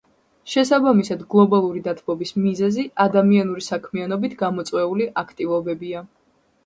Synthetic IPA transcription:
ʃɛsabamisad̪ɡlˠɔbalˠuɾid̪at̪ʰbɔbismizɛziad̪amianuɾisakʰmianɔbit̪ʰɡamɔt̪sʼwɛuliʔakʰt̪ʼivɔbɛbia

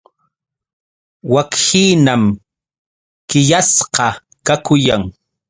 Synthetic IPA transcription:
wakhiːnam | kɪʎasqɑ | kakʊjaŋ

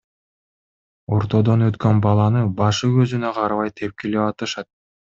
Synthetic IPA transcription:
o̞ɾt̪o̞d̪onøt̪kønbɑlˠɑnɯbɑʃɯkøzynøqʰɑɾβɑjt̪ʰe̞p̚keleβɑt̪ɯʃɑt̪̚

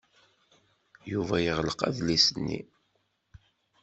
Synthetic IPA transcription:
juvæjəʁləqæ̰ðlisənːḭ

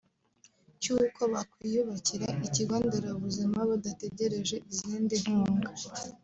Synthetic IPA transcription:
cuikʰoβakwijuβaciɾaʔiciɡwaːndaɾaβuzimaβadate̞ɟe̞ɾe̞ʒe̞iziːndinhhuːŋɡa

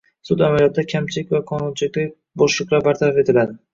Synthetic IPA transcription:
sʊd̪amaljɒt̪ːd̪akʲʰamt͡ʃʰɪlɪkʲvaqʰɒnʊnt͡ʃʰɪlɪkʲlɪ | bɒʃlˠɨqlˠabaɾt̪ʰaɾafe̞t̪ʰɪlad̪ɪ

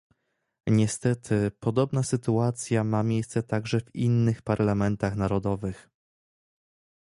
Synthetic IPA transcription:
ɲɛst̪ɛt̪ʰɘpɔd̪ɔbnasɘt̪uat̪sʲjamamʲjejst̪sɛt̪aɡʐɛvinːɘxpaɾlamɛnt̪axnaɾɔd̪ɔvɘx

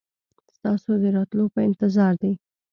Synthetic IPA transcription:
st̪ɑsod̪əɾɑt̪lopəɪnt̪ɪzɑɾd̪ej

